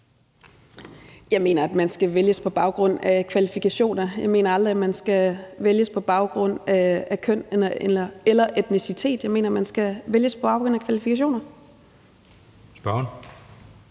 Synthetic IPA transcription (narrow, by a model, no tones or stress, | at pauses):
jɑ̈ɪme̝̰ːnɐæd̥mænsɡ̥æʋeljəspʰɒ̽b̥ɑ̈ʊɡ̥ʁɔ̽n̰ækʰʋælifikʰæɕo̝̰ːnɐjɑ̈ɪme̝̰ːnɐɑ̈ld̥ʁiæmænsɡ̥æʋeljəspʰɒ̽b̥ɑ̈ʊɡ̥ʁɔ̽n̰ækʰœn̰elɐelɐelɐʔed̥nisit͡sʰe̝̰ːd̥jɑ̈ɪme̝ːnɐæmænsɡ̥æʋeljəspʰɒb̥ɑ̈ʊɡ̥ʁɔ̽n̰ækʰʋælifikʰæɕ̬o̝̰ːnɐ | sb̥ɶn